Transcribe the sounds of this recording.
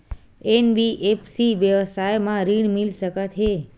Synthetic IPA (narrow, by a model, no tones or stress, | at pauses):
enbiʔefsiʋjəʋəsajmãɾiɽmilʃəkat̪ʰɦe